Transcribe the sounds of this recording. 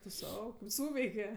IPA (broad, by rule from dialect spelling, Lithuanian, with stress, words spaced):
tʊ ˈsɐʊ kɐɪp ˈsuːʋʲɛɪkʲɛ